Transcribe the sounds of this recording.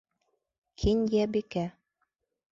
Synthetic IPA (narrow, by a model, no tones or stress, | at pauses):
kʰinjæbikæ